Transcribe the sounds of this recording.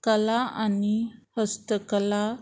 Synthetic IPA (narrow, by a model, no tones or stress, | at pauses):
kəlaanihəst̪əkəla